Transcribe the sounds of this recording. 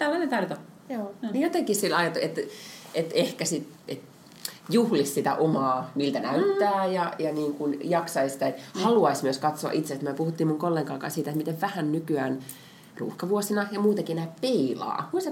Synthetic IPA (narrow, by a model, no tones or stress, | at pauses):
t̪ælːɑnent̪ɑrt̪o | joːnijot̪ekissilɑjɑt̪uet̪ʔet̪ehkæsit̪ | et̪ | juhlissit̪æ̰ʔomɑːniːlt̪ænæyt̪ːæːjɑjɑniːŋkunjɑksɑisi̥t̪æet̪hɑluɑismyøskɑt̪so̰ɑ̰ʔit̪sest̪myøpuhut̪ːiːmuŋkolːeŋkɑlkɑ̰ːsiːt̪æet̪mit̪eʋʋæhænnykyæːn | rṵːhkɑʋuosinɑjɑmuːt̪ekienæːppeilɑ̰ːs